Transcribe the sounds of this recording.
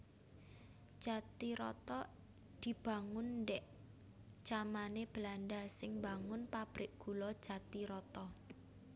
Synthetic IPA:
d̥ʒ̥a̤t̪iɾɔ̰t̪ɔ | d̪̥i̤b̥a̤ŋʊnːdɛʔ | t͡ʃamaneb̥əlandasɪŋbaŋʊnpab̥ɾɪʔ̚ɡ̥ṳlɔd̥ʒ̥a̤t̪iɾɔt̪ɔ

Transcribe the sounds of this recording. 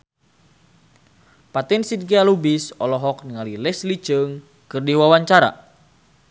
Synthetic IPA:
pat̪insid̚ɡialubisɔlɔɦɔk̚niŋalilɛslit͡ʃəŋ | kɨrdiwawaɲt͡ʃaɾa̰

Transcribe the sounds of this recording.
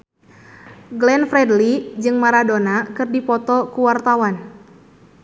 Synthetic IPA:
ɡlɛnfɾɛdlid͡ʒɨŋmaɾadonakɨrdipɔt̪ɔkuwart̪awan

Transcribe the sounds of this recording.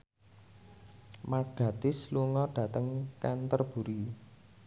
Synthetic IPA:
maɡ̥a̤t̪ɪsluŋɔɖ̥ä̤t̪əŋkɛnt̪ərb̥uɾi

